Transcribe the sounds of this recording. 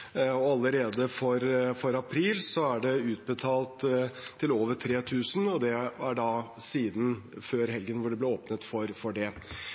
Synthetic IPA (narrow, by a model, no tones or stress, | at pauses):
ɔɑlːəɾeːd̪əfɔɾfɔɾɑpʰɾiːlsɔæɖɛʉːt̪̚bət̪ʰɑːlt̪ʰːɪloːʋəʈʰɾeːt̪ʰʉːsn̩ɔd̪ɛæɖɑsiːd̪n̩føːɾɦɛlɡənʋʊɖɛblɛoːpnət̪fɔɾfɔɖɛ